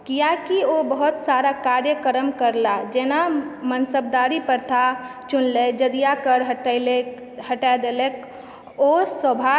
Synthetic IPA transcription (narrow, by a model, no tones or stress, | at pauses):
kijakiobəɦʊt̪saɾakaːɾjəkəɾəmkəɾlad͡ʒeːnamənsəb̚d̪aːɾipəɾt̪ʰat͡ʃʊnled͡ʒəd̪ijakəɾɦle | həʈad̪eːlek | oːswəbʱa